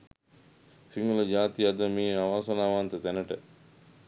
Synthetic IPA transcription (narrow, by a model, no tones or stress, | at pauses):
siŋɡulɐd͡ʒaːt̪ijɐd̪əmiːaʋaːsɐnaːʋant̪ət̪ænəʈə